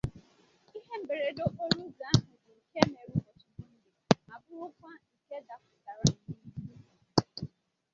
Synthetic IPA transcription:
i˦ɦe˦m̩˨be˨ɾe˨do˦ʔo˦ɲu˦ɡa˨˦ɦɪ˨dɪ˨ŋ̩˨ke˦me˨ɾu˦bo˨t͡ʃʊ˦dʊ˦n̩˦dɪ˨a˨bʊ˦ɾʊ˦kʷa˦ŋ̩˨ke˦da˨kʊ˨ta˨ɾa˨i˦ɦi˦i˦i˦˨

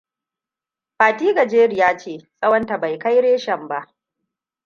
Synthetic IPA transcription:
ɸaː˨tiː˦ɡa˨d͡ʒeː˦ɾɪ˨jaː˦t͡ʃeː˦˨sʼɐ˦wɐ˦nta˨ba˨jka˦jɽeː˦ʃɐ˨mba˦ʔ

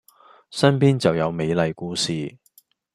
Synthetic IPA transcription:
sɐ˥npiː˥nt͡sɐ˨wjɐ˨˧wme˨˧jlɐ˨˧jkuː˨˧siː˨˩

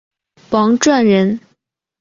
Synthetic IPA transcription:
pɑ˧˥ŋʈ͡ʂwa˥˩nɻə˧˥n

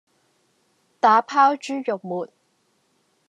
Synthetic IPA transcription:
t̪aː˨˧˥pʰaː˥wt͡ʃyː˥jʊ˨k̚muː˨t̚

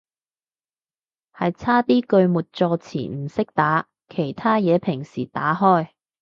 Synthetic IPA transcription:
hɐ˨jt͡sʰaː˥t̪iː˥kɵ˧ɥmuː˨t̚t͡sɔː˧t͡sʰḭː˨˩m̩˨˩sɪ˥k̚t̪aː˨˥ | kʰe˨˩jt̪ʰaː˥jɛː˨˧pʰɪ˨˩ŋsiː˨˩t̪aː˨˥ɦɔː˥˩j

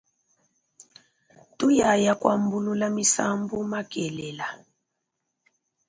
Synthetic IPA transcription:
tu˦ja˨ja˨kwa˨mbu˦lu˦la˦mi˦sa˦mbu˦ma˦kɛ˨lɛ˨la˨

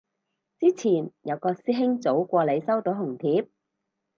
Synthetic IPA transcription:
t͡siː˥t͡sʰiː˨˩njɐ˨˧wkɔː˧siː˥ɦɪ˥ŋt͡so˨˥wkʷɔː˧le˨˧jsɐ˥wt̪o˨˥wɦʊ˨˩ŋt̪ʰiː˨˥p̚

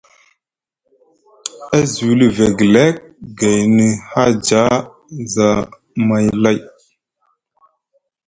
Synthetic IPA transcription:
a˦zu˨wlə˦ve˨ɡle˦k̚ɡa˨jnə˨ha˦d͡ʒa˦ | za˨ | ma˨jla˦˨j

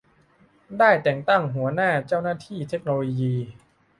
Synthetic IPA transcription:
daː˥˩jt̪ɛː˨˩ŋt̪a˥˩ŋɦu˩˦ɐnaː˥˩t͡ɕa˥˩wnaː˥˩t̪ʰiː˥˩t̪ʰe˦˥k̚noː˧loː˧jiː˧

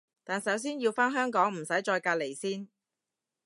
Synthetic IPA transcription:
t̪aː˨nsɐ˨˥ws̬iː˥njiː˧wfaː˥nɦœː˥ŋkɔː˨˥ŋm̩˨˩sɐ˨˥jt͡ʃɔː˧jkaː˧t̚le˨˩jsiː˥n

